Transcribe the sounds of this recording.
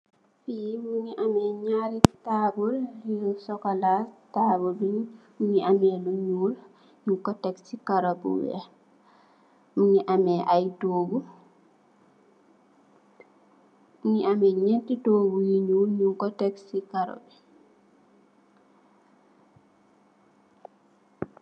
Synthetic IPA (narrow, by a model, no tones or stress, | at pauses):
fijimuɲiʔamɛɲaɾitabuljusɔkalatabudiɲ | muɲiʔamɛluɲuːl | ɲuŋkɔtɛksikaɾobṵwɛ̰ | muɲiʔamɛʔajdoːɡu | muɲiʔamɛɲɛntidoːɡujiɲuːlɲuŋkɔtɛksikaɾo̰bi